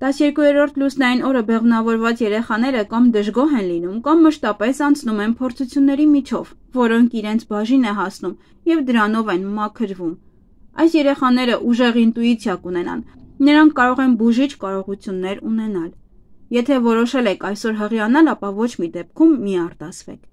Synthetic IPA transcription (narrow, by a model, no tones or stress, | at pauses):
t̪ɑsjɛɾkujɛɾɔɾt̪ʰlusnɑjinɔɾəbɛʁmnɑvɔɾvɑt͡sjɛɾɛχɑn̪ɛɾəkɑmd̪əʒɡɔɦɛnlinumkɑmːəʃt̪ɑpɛsɑnt͡sʰnumɛnpʰɔɾt͡sʰut͡sʰjunːɛɾimit͡ʃʰɔvːɔɾɔŋkʰiɾɛnt͡sʰbɑʒinɛɦɑsnum | jɛvd̪əɾɑnɔvɛnmɑkʰəɾvum | ɑ̰jsjɛɾɛχɑnɛɾəʔuʒɛʁint̪ujit͡sʰjɑkunɛnɑ̰nnəɾɑŋkʰːɑɾɔʁɛnbuʒit͡ʃʰkɑɾɔʁut͡sʰjunːɛɾun̪ɛnɑl | jɛt̪ʰɛvɔɾɔʃɛlɛkʰɑjsɔɾɦəʁiɑnɑlɑpɑvɔt͡ʃʰmid̪ɛp̚kʰumːiɑrt̪ɑsʰvɛ̰kʰ